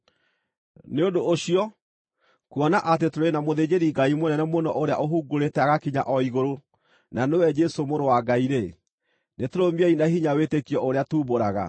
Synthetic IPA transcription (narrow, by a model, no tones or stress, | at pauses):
neondoːɕiɔ | kuɔnaʔat̬etoɾenamoðed͡ʑeɾiɡaimonɛnɛmonɔʔoɾea̰ʔoɦuːɡoɾetɛaɣakiɲa̰ʔɔiɣoɾo | nanewɛd͡ʒɛsomoɾowaɡaiɾe | netoɾomiɛinaɦiɲawetekiɔʔoɾeatuːboɾaɣa̰